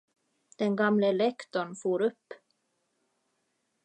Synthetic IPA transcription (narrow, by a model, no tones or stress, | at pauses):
d̪̥ɛnɡamləɛlɛkt̪ɔɳfuːɾɵpː